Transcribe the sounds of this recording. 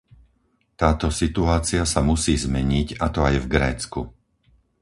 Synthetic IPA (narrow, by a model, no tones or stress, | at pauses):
t̪aːt̪ɔsit̪uaːt͡siasamusiːzmɛɲiɟat̪ɔajvɡɾɛːt͡sku